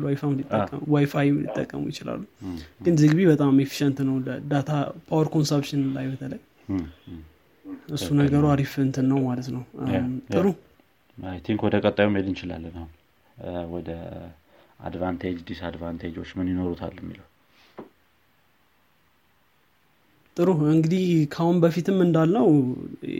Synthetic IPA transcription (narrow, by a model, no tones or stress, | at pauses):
wajfamnit̪ʼːəːə̰mwajfajmlḭt̪ʼːə̰kʼːə̰mṵjɪt͡ʃɪla̰lːuɡɨnzɨɡβiβət̪ʼamefi̥ʃɛnt̪nəwləd̪at̪ʰapʰawəɾkʰo̞nsəpʃɪnlajbət̪ʰələj | ʔɨssːunəɡəɾuaɾifɨnt̪ʰɨnːəwmalət̪nəwt̪ʼɨɾu | ajt̪ʰiŋkwɔd̪əkʼət̪ʼːajumhed̪ɨnt͡ʃɪla̰lːənahun | wɔd̪ə | a̰d̪vant̪ʰed͡ʒd̪isad̪vant̪ʰed͡ʒo̞t͡ʃːmɨnjino̞ɾut̪ʰa̰lːmːḭləwu | t̪ʼɨɾuɨŋɡɨd̪ihkʰahunbəfit̪ɨmːɨnd̪alːəw